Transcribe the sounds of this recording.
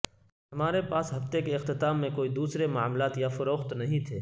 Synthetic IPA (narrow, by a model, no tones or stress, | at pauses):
ɦɐmaːɾepaːsɦɐft̪ekeɪqt̪ɪt̪aːmːẽkoːid̪uːsɾemʊa̰ːmlaːt̪jafʊɾoːxt̪nɐɦĩt̪ʰeː